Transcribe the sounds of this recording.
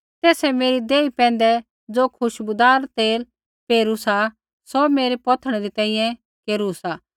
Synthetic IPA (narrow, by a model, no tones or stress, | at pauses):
t̪ɛːsɛmeːɾid̪eːipɛ̃ːnd̪ɛ | d͡zoːkʰʊʃbʊd̪aːɾt̪eːl | peːɾusa | sɔmeːɾepɔt̪ʰəɽ̃ɛɾit̪ɛ̃ːĩjɛ̃ | keːɾusaː